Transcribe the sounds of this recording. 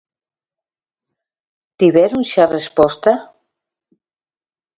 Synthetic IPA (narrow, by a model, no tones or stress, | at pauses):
t̪iβɛɾunʃarespɔst̪a